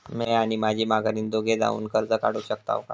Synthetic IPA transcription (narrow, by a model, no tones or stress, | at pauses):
mɛaɽ̃imad͡ʑʱiːmaɡʱaɾiːnd̪oɡʱed͡za̰ṵːnkəɾd͡zəkaɽ̤uːɕək̚t̪a̰ʋka̰